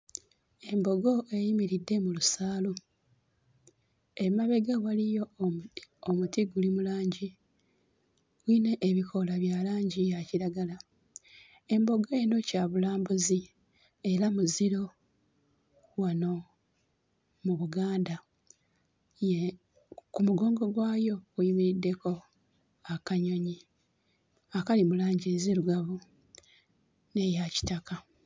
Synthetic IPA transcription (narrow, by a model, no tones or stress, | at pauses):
e̞mbo̞ɡo̞ʔejimiɾidːe̞mulusaːlu | emaβe̞ɡawalijo̞ | omutiɡulimulaːɲɟi | wiːne̞ʔːβikʰo̞laβjalaːɲɟijaciɾaɡala | e̞mbo̞ɡoeno̞caːβulaːmbuzi | e̞ɾamuziɾo̞ | wano̞ | muβuɡaːnda | je | kumuɡo̞ːŋɡo̞ɡwaːjo̞kuimiɾidːe̞ko̞ | akaɲo̞ɲi | akalimulaːɲɟiezeɾuɡaβu | nejaci̥taka